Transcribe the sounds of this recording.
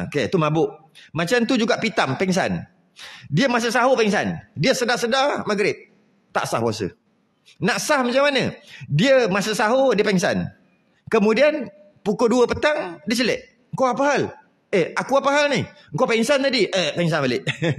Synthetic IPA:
oket̪umabʊʔmat͡ʃamt̪ud͡ʒuɡaʔpit̪ampɛŋs̬a̰n | diəmas̬əsaɦopɛŋs̬a̰ndiəsədasədamaɡɾɪp̚ | t̪a̰ʔsahpuasə̰ | naʔsahmat͡ʃaŋmːanədiəmasəʔsaɦodiəpɛŋsa̰n | kəmudian | pukoduəpət̪aŋdiət͡ʃəlɛʔ | əŋ̩koapaɦal | ʔeakuapəɦalnɪhəŋkowpɛŋsant̪adiʔepɛŋsanbalɪʔ

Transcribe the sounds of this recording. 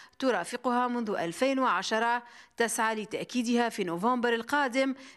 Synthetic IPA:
t̪ʊɾˤɑːfɪqʊhaːmʊnðʊʔalfajnwaʕaʃɑɾˤɑt̪asʕaːlɪt̪aʔkiːd̪ɪhafiːnovɑ̃ːmbɑɾˤalqɑːd̪ɪm

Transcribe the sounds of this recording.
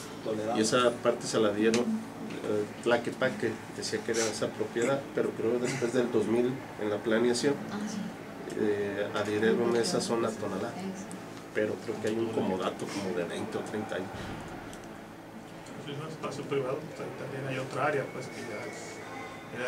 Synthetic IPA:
ie̞sapaɾt̪e̞salaðje̞ɾo̞n | plakepaked̪esiakeeɾaesapɾo̞pjeðaðpe̞ɾo̞kɾeokoðe̞spwe̞zðe̞ld̪o̞zmil | ḛnlaplanjasjo̞n | aðjeɾeɾo̞ne̞saso̞nat̪o̞naða | pe̞ɾo̞kɾe̞okeajuŋko̞mo̞ðat̪o̞ko̞mo̞ðe̞βḛjnt̪eot̪ɾejnt̪aaɲos | osmizoespasjopɾiβaðosait̪ambjenajot̪ɾaaɾeapweskeʝa | e

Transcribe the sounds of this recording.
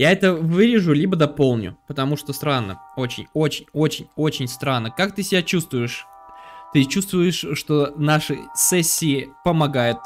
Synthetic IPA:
jaɛt̪əvɨɾʲɪʐʊlʲibəd̪ɐpo̞lˠnʲʊ̰pət̪ɐmuʂt̪ost̪ɾanːə̰o̞t͡ɕɪ̰nʲo̞t͡ɕɪnʲo̞t͡ɕɪnʲo̞t͡ɕɪnʲst̪ɾanːəkakt̪ɨsʲɪbʲat͡ɕust̪vʊjɪʂ | t̪ɨt͡ɕust̪vʊjɪʂʂt̪o̞naʂɨ̰sɛsʲːɪːɪpəmɐɡajʊt̪̚

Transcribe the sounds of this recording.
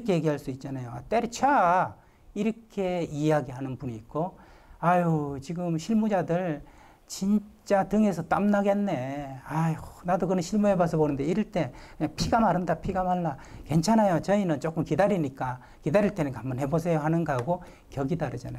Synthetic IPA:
ikʰejeɡiɦaɭs͈uit̚t͡ɕ͈anajot͈eɾt͡ɕʰa | iɾʌkʰe̞ieaɡiɦanɯnpuniːk̚k͈o | ajut͡ɕiɡɯmɕʰiɭmud͡ʑadɯɭ | t͡ɕint͡ɕ͈atɯŋe̞sʰʌt͈a̰mnaɡe̞nːe̞ajnadokɯnɯnɕʰiɭmuebas̬ʰʌbonɯnde̞iɾɯɭt͈e̞apʰiɡamaɾɯndapʰiɡamaɭːake̞nt͡ɕʰanajot͡ɕʌinɯnt͡ɕok͈ɯmkidaɾiɲik͈a | kidaɾiɭt͈e̞nɯnkambʌnhɦe̞bos̬ʰe̞joɦanɯnɡaɡo | kjʌɡidaɾɯd͡ʑanajo

